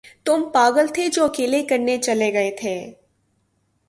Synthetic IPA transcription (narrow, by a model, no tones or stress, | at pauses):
t̪ʊmpaːɡəlt̪ʰed͡ʒoːɐkeːlekɐɾnet͡ʃɐleɡɐet̪ʰeː